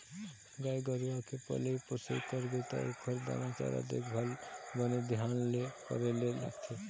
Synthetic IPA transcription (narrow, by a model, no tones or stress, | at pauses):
ɡajɡɔɾiakʰepɔ̰leiposḛkɔɾbet̪a̰ekʰɔɾd̪a̰mãt͡ʃa̰ɾa̰d̪ḛkbʱalbɔned̪iɦanlekɔ̰ɾelela̰kt͡ʃ̪ʰe